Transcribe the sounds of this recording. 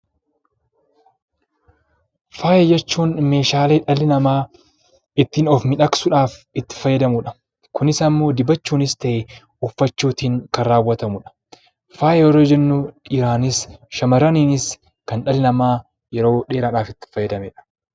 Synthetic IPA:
faːjɛd͡ʒɛt͡ʃːuːnme̞ːʃaːleːᶑɐlɪnɐmaː | ɪt̪ːiːnɔfmɪᶑɐksʊᶑaːfɪt̪ːɪ̥fɐjːɐd̪ɐmʊᶑɐ̥ | kʊnɪsɐmːo̞ːd̪ɪbɐt͡ʃːuːnɪst̪ɐʔe | ʊfːɐt͡ʃːuːt̪iːŋkɐːaːwːɐt̪ɐmʊᶑɐ̥ | faːjɛjɔɾoːd͡ʒɛnːʊɪɾaːnɪsʃɐmɐɾɐniːnɪs | kɐnᶑɐlɪnɐmaː | jɛɾo̞ːᶑeːɾaːᶑaːfɪt̪ːɪ̥fɐjːɐd̪ɐmeᶑɐ̥

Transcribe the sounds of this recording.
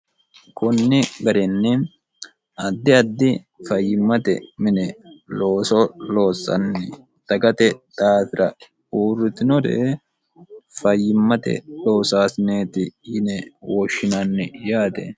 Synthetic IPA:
kɔnːɪɡɐɾɛnːɪ | ɐd̪ːɪɐd̪ːɪ | fɐjːɪmːɐt̪ɛ̰mɪnɛlo̞ːsɔlo̞ːsːɐ̰nːɛ | d̪̥ɐɡɐt̪ɛt̪ʼaːtɪɾɐ | uːrːɪt̪ɪnɔd̪ḛː | fɐjːɪmːɐt̪ɛ̰lo̞ːsaːsɪneːt̪ɪjɪnɛwɔʃːɪnanːɪjaːt̪ɛ̰

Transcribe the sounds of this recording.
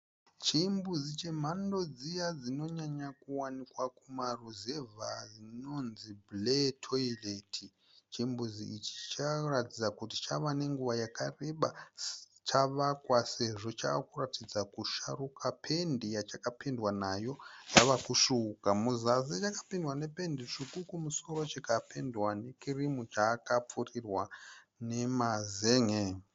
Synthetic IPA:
t͡ʃimbuzit͡ʃe̞m̤ando̞d͡zijad͡zino̞ɲaɲakuwanikwakumaruzevazino̞nzibletʰoiletʰi | t͡ʃimbuziit͡ʃi̥t͡ʃaratid͡zakuti̥t͡ʃaʋane̞ŋɡuʋajakare̞ɓa | t͡ʃaʋakwase̞ʐo̞t͡ʃakuratid͡zakuʃarukʰapʰe̞ndijat͡ʃakapindwanajo̞jaʋakuʃuːkamuzazit͡ʃakḁpindwane̞pe̞ndiʂikukumuso̞ɾo̞t͡ʃikapʰendwane̞kirimut͡ʃaːkap͡furirwa | ne̞mazeŋe

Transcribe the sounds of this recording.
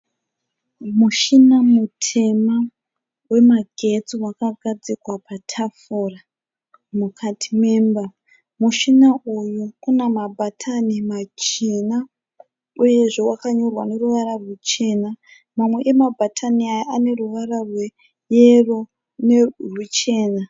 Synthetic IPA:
muʃinamutʰe̞ma | we̞maɡʱe̞t͡siwakaɡʱad͡zikwapatʰafura | mukʰatʰime̞ːmba | muʃinaʔujukunamabʱatʰanimat͡ʃena | uje̞ʐe̞wakaɲorwa̰ne̞ruʋaɾarut͡ʃe̞ːna | mamwe̞ʔemabʱatʰaniajaane̞ruʋaɾarwe | jero̞ | nerut͡ʃe̞ːna

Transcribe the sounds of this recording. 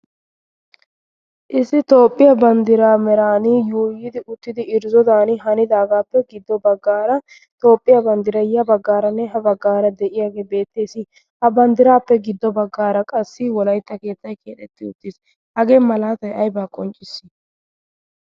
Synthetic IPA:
ʔɪsɪt̪o̞ːpʼːɪjɐbɐnd̪ɪɾaːmɛɾaːnɪjuːjɪd̪ɪʔʊt̪ːɪd̪ɪɪɾzɔd̪aːnɪɦɐnɪd̪aːɡaːpːɛɡɪd̪ːɔbɐɡːaːɾɐ | t̪o̞ːpʼːɪjɐbɐnd̪ɪɾɐjːɐbɐɡːaːɾɐnːɛɦɐbɐɡːaːɾɐd̪ɛʔɪjaːɡe̞ːbe̞ːt̪ːeːsɪ | hɐbɐnd̪ɪɾaːpːɛɡɪd̪ːɔbɐɡːaːɾɐkʼɐsːɪwɔlɐjt̪ːɐke̞ːt̪ːɐjkʼeːt̪ɛt̪ːɪʊt̪ːɪs | hɐɡeːmɐlaːt̪ɐjɐjbaːkʼɔnt͡ʃʼːɪsːɪ̥

